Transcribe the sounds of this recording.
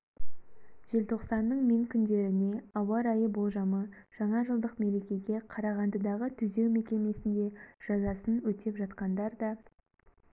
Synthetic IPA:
ʒ̥e̞lt̪ʰo̞qsɑnːəɴmeŋkʲʰʏnd̪e̞ɾɪne̞ɑwɑɾɑjəbolˠʒɑmə | ʒ̥ɑɴɑʒəlˠd̪əqme̞ɾe̞kʲe̞ɡʲe̞qʰɑɾɑʁɑnd̪əd̪ɑʁət̪ʰʏze̞wme̞kʲe̞me̞sɪnd̪e̞ʒ̥ɑzɑsənwɵt̪e̞pʒɑt̪qɑnd̪ɑɾd̪ɑ

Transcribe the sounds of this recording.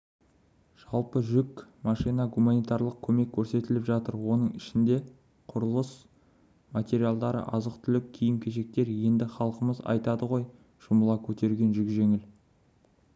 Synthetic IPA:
ʒ̥ɑlˠpəʒʏkmɑʃijnɑɡumanijt̪ɑɾlˠəq̚kʲʰɵme̞kʲʰːɵɾse̞t̪ɪlɪpʒɑt̪əɾwo̞n̪əɴɪʃɪnd̪e̞ | qʰʊɾəlˠəs | mat̪ʲe̞ɾijalˠd̪ɑɾə̰ʔɑzəqt̪ʰʏlɪk̚ʲʰijɪmkʲʰe̞ʃe̞k̚t̪e̞ɾje̞nd̪ɪχɑlˠəqəməzɑ̰jt̪ɑd̪əʁo̞j | ʒ̥ʊməlˠɑkʲʰɵt̪e̞ɾɡʲe̞nʒʏkʒe̞ŋɪl

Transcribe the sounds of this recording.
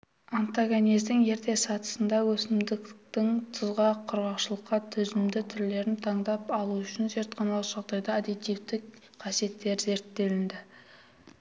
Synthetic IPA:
ant̪aɡonijzd̪ɪŋje̞ɾt̪e̞sɑt̪ə̥sənd̪ɑwɵsɪmd̪ɪkt̪ɪŋt̪ʰəzʁɑqʰʊɾʁɑqʃəlˠəqːɑt̪ʰʏzɪmd̪ɪt̪ʰʏɾle̞ɾɪnt̪ʰɑɴd̪ɑpɑlˠuʏʃɪnze̞ɾt̪qʰɑnɑlˠʒ̥ɑʁd̪ɑjd̪ɑːd̪et̪ijft̪ɪk̚ | qʰɑsije̞t̪ːe̞ɾze̞ɾt̪ːe̞lɪnd̪ɪ

